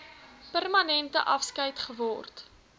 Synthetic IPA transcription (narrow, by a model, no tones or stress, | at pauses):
pərmɐnɛntəʔɐfskəjtχəvɔrt